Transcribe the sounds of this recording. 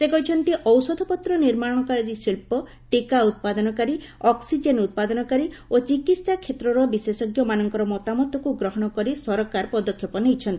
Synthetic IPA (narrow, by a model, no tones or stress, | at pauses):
sekɔɦit͡ʃʰɔnt̪iʔɔwsɔd̪ʱɔpɔt̪ɾɔniɾmaɽɔ̃ɔkaɾiɾisilpɔ | ʈikaut̪̚pad̪ɔnɔkaɾi | ɔksid͡ʒenut̪̚pad̪ɔnɔkaɾi | ot͡ʃikit̪sakʰet̪ɾɔɾɔbisesɔɡjɔmanɔŋkɔɾɔmɔt̪amɔt̪ːɔkuɡɾɔɦɔɽ̃ɔkɔɾisɔɾɔkaɾpɔd̪ɔkʰjɔpɔnejt͡ʃʰɔnt̪i